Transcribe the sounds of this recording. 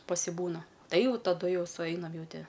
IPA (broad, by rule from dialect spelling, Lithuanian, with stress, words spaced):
pɐsʲɪˈbuːnɐ ˈtɐɪ ˈjɛʊ tɐˈdʊ ˈjɛʊ sʊˈɛɪnɐm ˈjɛʊ ˈtʲɪ